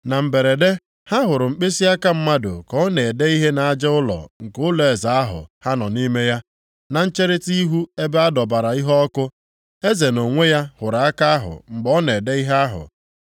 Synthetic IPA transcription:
na˨m̩˨be˨ɾe˨de˦ | ha˦ɦʊ˨ɾʊ˨ŋ͡m̩˨k͡pe˦si˦a˦ka˦m̩˦ma˦dʊ̰˨kɔ˦ne˨e˨de˦i˦ɦe˦na˨a˦d͡ʒɪ˦ʊ˦lɔ̰˨ŋ̩˨kʊ˦le˨za˨a˦ɦʊ̰˨ha˦nɔ˨ni˦me˦ja˦ | na˨n̩˦t͡ʃe˦ɾɪ˦ti˦ɦu˦e˦be˦a˦dɔ˨ba˨ɾa˨i˦ɦɔ˦kʊ˦ | e˦ze˨no˨ŋʷe˦ja˦hʊ˨ɾa˨a˦ka˦a˦ɦʊ̰˨ŋ͡m̩˨ɡ͡bɔ˦ne˨de˦i˦ɦe˦a˦ɦʊ̰˨

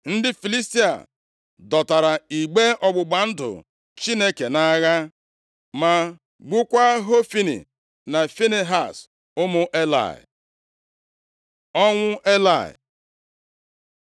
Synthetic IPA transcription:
n̩˦dɪ˦fi˨li˦sti˦a̰˨ | dɔ˨ta˨ɾa˨i˨ɡ͡be˦ɔ˨ɡ͡bʊ˨ɡ͡ba˨n̩˦dʊ̰˨ | t͡ʃi˦ne˦ke˨na˦ɣa˦ | ma˨ | ɡ͡bu˦kʷa˦ɦo˦fi˦nḭ˨ | na˨fi˦ne˦ɦa˨s | ʊ˦mʊ˦ʔe˦la̰˨ɪ̰˨ | ɔ˦ŋʷʊ˦ʔe˦la˦˨ɪ̰˨

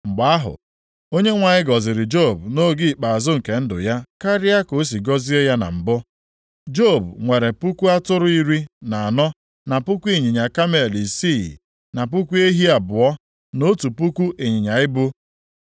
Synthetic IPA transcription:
ŋ͡m̩˨ɡ͡ba˨a˦ɦʊ̰˨ | o˦ɲe˦ŋʷa˨ɲɪ˦ɡɔ˨zɪ˨ɾɪ˨d͡ʒo˦˨bu˨no˦ɡɪ˦˨k͡pa˨a˨zʊ˦ŋ̩˨ke˨n̩˦dʊ̰˨ja˦ka˦ɾɪ˦a˦ko˨˦s̬i˨ɡɔ˦zi˦e˦ja˦na̰˨m̩˨bʊ˦ | d͡ʒo˦˨bŋʷe˨ɾe˨pu˦kʷu˦a˦tʊ˦ɾʊ˦i˦ɾi˦na˨a˨nɔ˦ | na˨pu˦kʷu˦e˦˨ɲi˨ɲa˨ka˦me˨li˨si˦˨ | na˨p̬u˦kʷu˦e˦ɦi˦a˨bʊ˨ɔ˦ | no˦tu˨pu˦kʷu˦ʔe˨ɲi˨ɲa˨ɪ˦bʊ˦

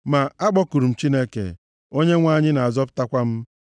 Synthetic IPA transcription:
ma˨a˦ɡ͡bɔ˦ku˨ɾu˨m̩˨t͡ʃi˦ne˦kḛ˨ | o˦ɲe˦ŋʷa˦˨ɲɪ˦na˨a˨zɔ˦pʊ̥˦ta˦kʷa˦m̩˦

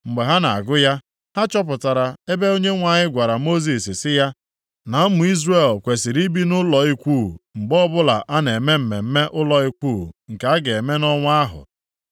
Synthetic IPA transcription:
ŋ͡m̩˨ɡ͡be˨ɦa˦na˨a̰˨ɡʊ˦ja˦ | ha˦t͡ʃɔ˦p̬ʊ˨ta˨ɾa˨e˦be˦o˦ɲe˦ŋʷa˨ɲɪ˦ɡʷa˨ɾa˨mo˦z̬i˨ssɪ˦ja˦ | na˨˦mʊ˨˦i˦zre˦˨lkʷe˨si˨ɾi˦bi˦nʊ˦lɔ˨i˦kʷu˦˨ŋ͡m̩˨ɡ͡bɔ˦bʊ˦la˨ʔa˦ne˨me˦m̩˨me˨m̩˦me˦ʔʊ˦lɔ˨i˦kʷu˦˨ŋ̩˨ka˦ɡe˨e˨me˦nɔ˦ŋʷ˦a˦ɦʊ̰˨

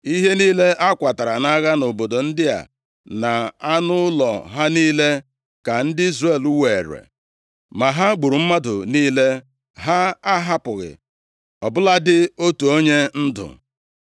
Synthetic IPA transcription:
i˦ɦe˦niː˦le˦ʔa˦kʷa˨ta˨ɾa˨na˦ɣa˦no˨bo˨do˨n̩˦dɪ˦a̰˨ | na˨a˦nʊ˦lɔ̰˨ɦa˦niː˦le˦ | ka˨n̩˦dɪ˦i˦zre˦˨lu˦we˨e˨ɾḛ˨ | ma˨ɦa˦ɡ͡bu˨ɾu˨m̩˦ma˦dʊ˨niː˦le˦ | ɦa˦a˦ɦa˦pʊ˨ɣɪ̰˨ | ɔ˨bʊ˦la˦dɪ˦o˦tu˨o˦ɲe˦n̩˦dʊ̰˨

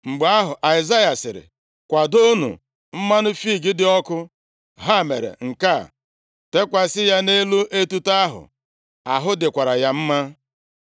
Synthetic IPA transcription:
ŋ͡m̩˨ɡ͡ba˦ɦʊ˨ʔa˨ɪ˨za˦ja˨sɪ˨ɾɪ̰˨ | kʷa˨do˦nṵ˨ | m̩˦ma˦nʊ˦fi˦˨ɡɪ˦dɪ˨˦ɔ˦kʊ˦ | ɦa˦˨mḛ˨ɾḛ˨ŋ̩˨ka˦˨ | te˦kʷa˦sɪ˦ja˦ne˦lu˦ʔe˦tu˦ta˦ɦʊ̰˨ | a˨ɦʊ˦dɪ˨kʷa˨ɾa˨ja˦m̩˦ma˦

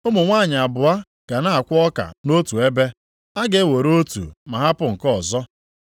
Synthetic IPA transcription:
ʊ˦mʊ˨ŋʷa˦˨ɲɪ˨a˨bʊ˨a˦ | ka˨na˦a˨kʷɔ˦ka̰˨no˦tu˨e˦be˦ | a˦ɡe˦˨wo˨ɾo˦tṵ˨ma˨ɦa˦pʊ˨ŋ̩˨kɔ˦˨zɔ˦

